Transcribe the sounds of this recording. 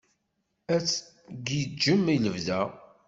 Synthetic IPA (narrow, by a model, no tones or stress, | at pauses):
æt͡sː | ɡid͡ʒːəmiləvðæ